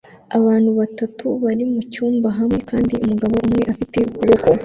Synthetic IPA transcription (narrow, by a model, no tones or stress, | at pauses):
aβaːnhuβatatʰuβaɾimucuːmbaɦamŋe̞kaːndiumuɡaβo̞umŋe̞ʔafite̞ukuβuko